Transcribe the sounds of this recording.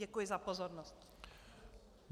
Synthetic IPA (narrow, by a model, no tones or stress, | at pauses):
ɛkujɪzapozɔɾnɔst